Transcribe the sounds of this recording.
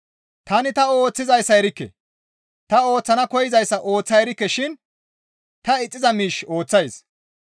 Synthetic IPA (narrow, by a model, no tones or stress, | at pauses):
t̪ɐnɪt̪ɐo̞ːt͡sːɪzɐjsːɐjɛɾɪkːɛ̰ | t̪ɐo̞ːt͡sːɐnɐkɔjɪzɐjsːɐʔoːt͡sːɐjɛɾɪkːɛʃɪn | t̪ɐɪt͡sʼːɪzɐmiːʃo̞ːt͡sːɐjs